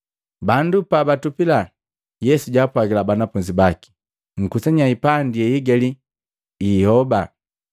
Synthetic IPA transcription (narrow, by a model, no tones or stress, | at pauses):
bandupabatupila | jɛsuɟaːpwaɡilabanafuɲd͡ʒibaki̥ | ŋ̩kusaɲaipandiɛiɡɛli | ihɔba